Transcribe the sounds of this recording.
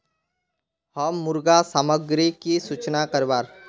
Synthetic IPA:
həmːʊɾɡasaːməɡɾikisuːt͡ʃnakəɾʋaːɾ

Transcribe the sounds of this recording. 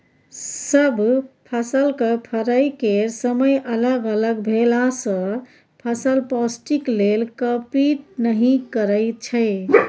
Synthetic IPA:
səbʱpʰəsəlkəpʰəɾəjkeɾsəməjʔələɡələɡbʱelasə̃ | pʰəsəlpɔsʈiklelkəpiʈ̚nəɦĩkəɾəɪt͡ʃʰəɪ

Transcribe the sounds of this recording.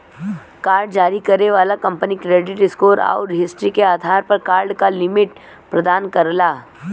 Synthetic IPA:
kaːɾɖ̚d͡ʒaːɾikɐɾeʋaːlakɐ̃mpənikɾeːɖɪʈɪskoːɾa̰ːʊɾɪɦɪsʈɾikeaːd̪ʱaːɾpɐɾkaːɾɖkalɪmɪʈ | pɾɐd̪aːnkɐɾlaː

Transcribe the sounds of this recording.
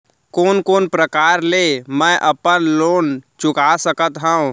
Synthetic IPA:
koːnkoːnpɾəkaːɾlemɛ̃ʔəpənloːnt͡ʃʊkasəkət̪ɦə̃ũ

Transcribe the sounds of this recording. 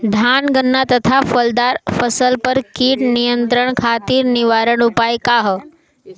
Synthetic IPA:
d̪ʱanɡənːat̪ət̪ʰafəld̪aɾfəsəlpəɾkiʈnijənt̪ɾəɳ̃kʰat̪iɾniʋaɾəɳ̃ʊpajkaɦə

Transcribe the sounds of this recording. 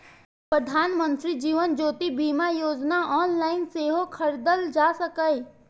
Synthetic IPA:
pɾəd̪ʱaːnmə̃nt̪ɾid͡ʒiːʋənd͡ʒoːt̪ibiːmajoːd͡ʒnaʔɔːnlaːɪnseːɦokʰəɾd̪əld͡ʒaːsəkəe

